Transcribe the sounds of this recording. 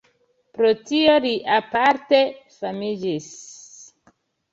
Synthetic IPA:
pɾotio̞liʔapaɾte̞famid͡ʒis

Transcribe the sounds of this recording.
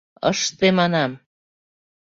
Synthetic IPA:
ə̰ʃt̪emɑnɑm

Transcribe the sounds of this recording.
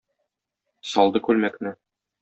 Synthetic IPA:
sɒlˠd̪ɤkʉlmæknɘ

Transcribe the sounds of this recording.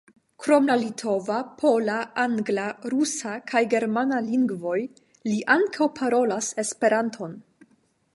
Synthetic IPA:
kɾo̞mlalitʰo̞vapʰo̞laaŋɡlaɾusakʰajɡe̞ɾmanaliŋɡvo̞j | liʔaŋkʰawpʰaɾo̞lase̞spe̞ɾantʰo̞n

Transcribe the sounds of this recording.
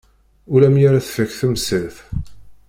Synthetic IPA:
ulæmjaɾaθfəçθəmsəlθ

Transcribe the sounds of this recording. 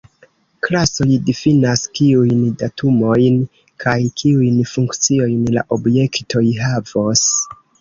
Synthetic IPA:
klaso̞jdifinaskiujndatʰumo̞jn | kʰajkʰiujnfuŋkt͡sio̞jnla̰ʔo̞bje̞kto̞jɦavos

